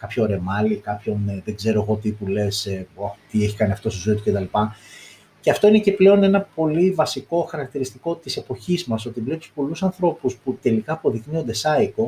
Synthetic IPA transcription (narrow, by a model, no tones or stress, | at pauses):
kɐpço̞ɾe̞mɐlikɐpço̞nðeɡze̞ɾo̞eɣo̞t̪ipule̞sɐt̪ieçikɐniɐft̪o̞st̪izoit̪u̥cet̪ɐlipɐ | ceɐft̪o̞ine̞ce̞ple̞o̞ne̞nɐpo̞livɐsiko̞xɐɾɐk̚t̪iɾist̪iko̞t̪ise̞po̞çizmɐso̞t̪ibleit̪u̥spo̞lusɐnθɾo̞pusput̪e̞likɐːpo̞ðiknio̞nd̪e̞sɐiko̞